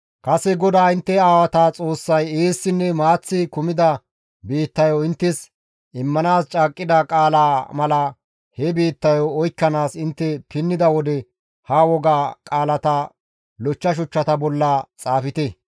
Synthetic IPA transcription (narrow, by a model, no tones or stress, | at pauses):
kɐsɛɡɔd̪aːɪnt̪ːɛaːwɐt̪aːt͡sʼo̞ːsːɐjeːsːɪnːɛmaːt͡sːɪkʊmɪd̪ɐ | biːt̪ːɐjɔɪnt̪ːɛs | ɪmːɐnaːst͡ʃʼaːkʼːɪd̪ɐkʼaːlaːmɐlɐ | hɛbiːt̪ːɐjɔːjkːɐnaːsɪnt̪ːɛpɪnːɪd̪ɐwɔd̪ɛ | hɐwɔɡaːkʼaːlɐt̪ɐ | lɔt͡ʃːɐʃ̬ʊt͡ʃːɐt̪ɐbɔlːɐt͡sʼaːfɪt̪ɛ